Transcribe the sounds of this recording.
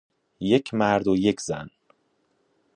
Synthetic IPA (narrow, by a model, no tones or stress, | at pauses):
jecʰmæɾd̪oje̞cʰzæn